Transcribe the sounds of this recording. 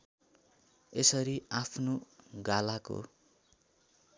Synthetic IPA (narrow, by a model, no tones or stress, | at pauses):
esʌɾiapʰnoɡalako̰